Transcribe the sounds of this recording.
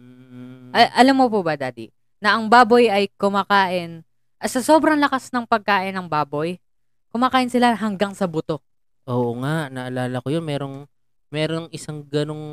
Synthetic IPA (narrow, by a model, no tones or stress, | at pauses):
ʔɐʔɐlamːopobɐd̪aːd̪i | nɐʔɐŋbaːbo̞jɐjkʊmaːkaːʔɪn | ʔɐsɐso̞ːbɾɐŋlɐkasnɐŋpɐɡ̚kaːʔɪnːɐŋbaːbo̞j | kʊmaːkaːʔɪnsɪlaɦɐŋɡaŋsɐbʊt̪o̞ | ʔoːʔoŋaʔnɐʔɐlaːlɐkojonmɛːɾo̞ŋ | mɛːɾoŋɪsaŋɡɐno̞ŋ